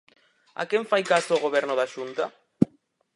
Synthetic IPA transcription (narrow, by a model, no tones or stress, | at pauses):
a̰keɱfajkasoːɣoβɛɾnʊðaʃunt̪a